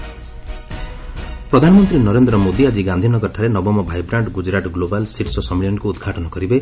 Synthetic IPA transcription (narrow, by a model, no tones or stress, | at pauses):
pɾɔd̪ʱanɔmɔnt̪ɾinɔɾend̪ɾɔmod̪iad͡ʒiɡand̪ʱinɔkɔʈʰaɾenɔbɔmɔbʱajbɾaɳʈɡud͡ʒɾaʈɡlobalsiʈsɔsɔmiljɔɳkuːd̪ɡʱaʈɔnɔkɔɾibe